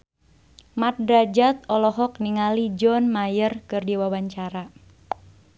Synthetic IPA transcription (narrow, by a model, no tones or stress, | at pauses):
mat̪̚dɾad͡ʒat̪̚ɔlɔɦɔk̚niŋalid͡ʒɔnmajərkɨrdiwawaɲt͡ʃaɾa